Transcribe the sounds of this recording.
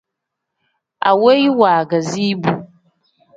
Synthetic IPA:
a̰˨we˦jwaː˨ɡa˨zi˦bu˦˨

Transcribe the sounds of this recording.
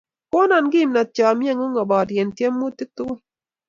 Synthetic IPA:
ko˦nɔ˨nɡi˦˨mna˨t͡ʃɔ˨mja˦ŋo˦ŋɔ˨bɔ˨dje˨ntje˦mːu˦ti˦k̚t̪u˦

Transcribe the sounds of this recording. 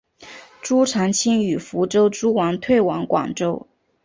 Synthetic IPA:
ʈ͡ʂu˥ʈ͡ʂʰɑ˧˥ŋt͡ɕʰi˥ŋy˨˩fu˧˥ʈ͡ʂo˥ʊʈ͡ʂu˥wɑ˧˥ŋt̪ʰwe˥˩ɪwɑ˧˥ŋkwɑ̰˨˩ŋʈ͡ʂo˥ʊ

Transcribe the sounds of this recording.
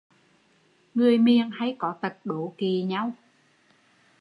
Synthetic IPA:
ŋɨ˨˩əjmi˨˩əŋha˧jkɔ˨˦t̪ə˨˩t̚ɗo˧˦ki˨˩ɲa˧w

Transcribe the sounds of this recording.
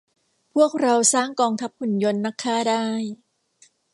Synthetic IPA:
pʰu˥˩ək̚ɾa˧wsaː˥˩ŋkɔː˧ŋt̪ʰa˦˥p̚hu˨˩˦njo˧nːa˦˥kʰːaː˥˩daː˥˩j

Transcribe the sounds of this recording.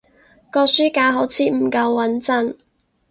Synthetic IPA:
kɔː˧k̚syː˥kaː˧ɦo˨˥wt͡sʰiː˨m̩˨˩kɐ˧wːɐ˨˥nt͡sɐ˥n

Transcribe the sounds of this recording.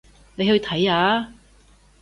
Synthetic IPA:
ne˨˧jht̪ʰɐ˨˥jaː˨˧˥

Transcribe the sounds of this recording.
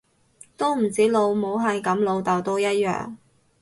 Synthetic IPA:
t̪o˥wm̩˨˩t͡siː˨˥lo˨˧wmo˨˥wɦɐ˨jkɐ˨˥mlo˨˧wt̪ɐ˨˩wt̪o˧˥wjɐ˥t̚jœ̰ː˨ŋ

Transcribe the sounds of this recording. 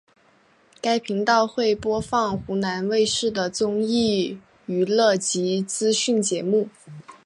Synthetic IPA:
ka˥ɪpʰi˧˥ŋt̪ɑ˥˧ʊxwe˥˩ɪpwɔ˥fɑ˥˩ŋxu˧˥na˧˥nwe˥˧ɪʂɻ̩˥˩d̪ə˩t͡sʊ˥ŋi˥˩ | y˧˥lɤ˥˩t͡ɕi˧˥t͡sɹ̩˥ɕy˥˩nt͡ɕjɛ˧˥mu˥˩

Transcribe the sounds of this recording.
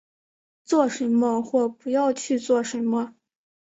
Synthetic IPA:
t͡swɔ˥˩ʂə˧˥nmə˧xwɔ˥˩pu˧˥jɑ˥˧ʊt͡ɕʰy˥˧t͡swɔ˥˩ʂə˧˥nmə˧

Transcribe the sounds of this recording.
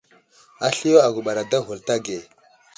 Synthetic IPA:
a˦ɬi˦o˦a˨ɡu˨ɓa˨ɾa˨da˦ɦu˨lta˦ɡe˨

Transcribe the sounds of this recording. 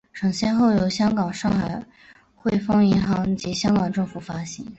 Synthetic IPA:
ʈ͡ʂʰɤ˨˥ŋɕjɛ˥nxo˥˩ʊjo˨˧˩ʊɕjɑ˥ŋkɑ˨˩ŋʂɑ˥˩ŋxa˨˩ɪ | xwe˥˧ɪfɤ˥ŋi˧˥nxɑ˧˥ŋt͡ɕi˧˥ɕjɑ˥ŋkɑ˨˩ŋʈ͡ʂɤ˥˩ŋfu˨˩fa˥ɕi˧˥ŋ

